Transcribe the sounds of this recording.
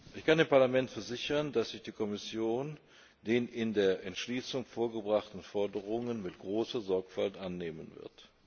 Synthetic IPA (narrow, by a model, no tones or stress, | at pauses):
ʔɪçkandeːmpaɐlamɛntfɛɐzɪçɐndasz̥ɪçd̥iːkʰɔmɪsjoːn | d̥eːnɪndeːɐʔɛntʃliːsʊŋfoːɐɡəbʁaχtn̩fɔɐdəʁ̞ʊŋənmɪtɡ̥ʁoːsɐzɔɐkfaltʔanːeːmənvɪ̰ɐ̰t